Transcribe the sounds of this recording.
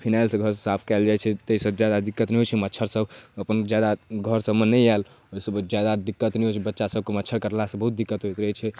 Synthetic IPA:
pʰinajlsə̃ɡʱəɾssapʰkɛld͡ʒajt͡ʃʰɛt̪eisəbd͡ʒjad̪ad̪ikːət̪nɛɦot͡ʃʰɛmətːt͡ʃʰəɾsəbəpənd͡ʒjad̪aɡʱəɾsəbmənːəjal | oisəbd͡ʒjad̪ad̪ikːət̪nɛɦot͡ʃʰɛbətːʃasəb̚ʱkemətːt͡ʃʰəɾkəɾlasə̃bəɦut̪̚d̪ikːət̪ɦojt̪ɾəɦɛt͡ʃʰɛ

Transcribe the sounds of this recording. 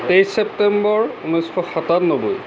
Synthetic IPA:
tejsɛp̚tɛmbɔɹunɔjsxʰɔxatatnobuj

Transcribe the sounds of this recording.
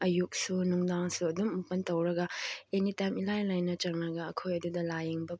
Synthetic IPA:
ɐjuk̚sunuŋdaŋsuɐdumːɐpɐntɐwɾɐɡɐenitajmilajlajnɐt͡ʃɐŋnɐɡɐːkʰojɐdudɐlajeŋbɐ

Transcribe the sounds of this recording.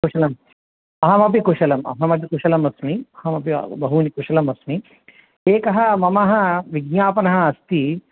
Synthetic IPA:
kuʂɐlɐm | ɐɦɐmɐp̬ikuʂɐlɐmɐ̰ɦɐmɐp̬ikuʂɐlɐmɐsmiɐɦɐmɐpḭbɐɦunikuʂɐlɐmɐsmi | eːkɐɦɐmɐmɐɦɐ̆ʋiɡɲaːpɐnɐɦɐ̆ɐst̪i

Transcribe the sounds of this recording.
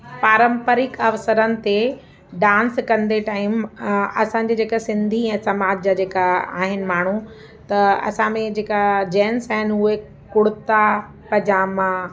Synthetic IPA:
paːɾə̃mpəɾɪkɐʋsəɾənɪ̆t̪e | ɖãːnskɐ̃nd̪eʈaːɪmɐsãːɲd͡ʑeːd͡ʑeːkasɪ̃nd̪ʱiɛ̃ːsɐmaːd͡ʑd͡ʑaːd͡ʑeːkaa̰ːɦɪnɪ̆maːɳ̤u | t̪ɐɐ̰sãmẽd͡ʑeːkad͡ʑɛːnsaːɦɪnɪ̆uɦe | kʊɽɪt̪a | pɐd͡ʑaːmã

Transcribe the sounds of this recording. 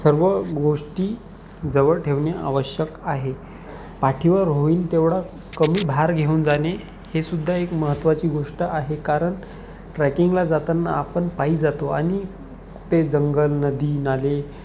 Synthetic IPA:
səɾʋəɡoʂʈiː | d͡zəʋəɭʈʰeʋɳjaʔa̰ʋəɕjəkaɦe | paʈʰiʋəɾɦoiːnt̪eʋɽa | kəmiːbʱaɾɡʱeuːnd͡zane | hesud̪ʱːaekməɦət̪ːʋat͡ɕiːɡʱoʂʈaʔaɦekaɾəɳ | ʈɾɛkiŋɡlad͡zat̪anːaapəɳpaiːd͡zat̪oaɽ̃i | kuʈʰed͡zəŋɡəlnəd̪iːnale

